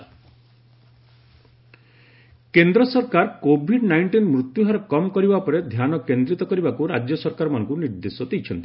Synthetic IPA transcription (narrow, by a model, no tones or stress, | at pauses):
kend̪ɾɔsɔɾkaɾkobʱiɖnajɳʈinmɾut̪juɦaɾɔkɔmɔkɔɾibapɔɾed̪ʱjanɔkend̪ɾit̪ɔkɔɾibakuɾad͡ʒjɔsɔɾkaɾɔmanɔ̃ŋkuniɾd̪esɔd̪ejt͡ʃʰɔnt̪i̥